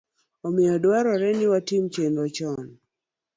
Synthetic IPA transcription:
omɪɔdwaɾɔɾɛnɪwatimt͡ʃenɾɔt͡ʃɔn

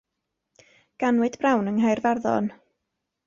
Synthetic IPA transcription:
ɡ̥anwɨd̥b̥rawnəŋhajrvarðɔ̰n

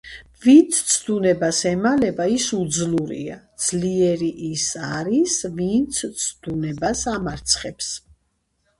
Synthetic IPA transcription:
vint̪sʰt̪sʰd̪unɛbasɛmalɛbaisud̪zluɾḭad̪z̥liɛɾiʔisaɾisvint̪sʰt̪sʰd̪unɛbasamaɾt̪sʰχɛps

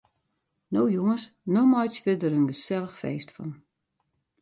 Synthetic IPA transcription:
nowjoŋəsnɔmɔjsʋɪdəɾənɡəsɛləxfḛːstfɔ̰n

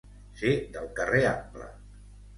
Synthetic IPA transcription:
sid̪əlˠkəreamplə̰

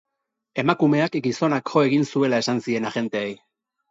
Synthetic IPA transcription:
e̞makume̞akɡiso̞nakʝo̞e̞ɣinsue̞lae̞sansie̞naɣe̞nt̪eej

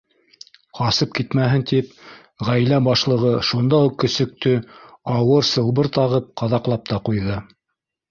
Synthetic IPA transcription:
qɑsɤp̚kit̪mæɦɘnt̪ip̚ | ʁæjlæbɑʃlˠɤ̆ʁɤʃund̪ɑuqːɵ̆sɵ̆k̚t̪ɵ | ɑwɤɾsɤ̆lˠβɤɾt̪ɑʁɤp̚qɑðɑqlˠɑp̚t̪ɑqujðɤ

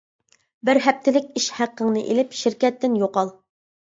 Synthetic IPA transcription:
bɪɾɦɛp̚t̪ʰɪlɪkʲiʃhæqːəŋnɨʔelɪpʃɪɾkʲɛt̪ːɪnjoqɑlˠ

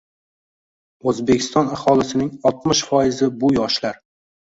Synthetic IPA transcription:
ɵzbekʲʰɪ̥st̪ɒnahɒlɪsɪnɪŋɒlˠt̪mɪʃfɒjɪzɪbʊjɒʃlaɾ

